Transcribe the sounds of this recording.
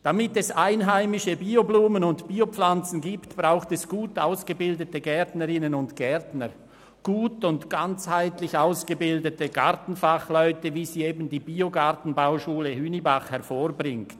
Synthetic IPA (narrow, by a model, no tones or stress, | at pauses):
d̥amɪtɛsaɪnɦaɪmɪʃəbiːobluːmənʊntb̥iːop͡flant͡sn̩ɡiːptb̥ʁaʊxtɛsɡ̥uːtaʊsɡ̥əbɪldətəɡɛɐtnəʁɪnənʊntɡ̥ɛʁtnəʁ | ɡ̥uːtʊntɡ̥ant͡shaɪtlɪçaʊsɡ̥əbɪldətəɡ̥a̰ɾtn̩faχlœʏtəviːziːeːbn̩diːbiːoɡaʁtn̩baʊʃuːləhyːnibaχhɛʁfoːʁbʁɪŋkt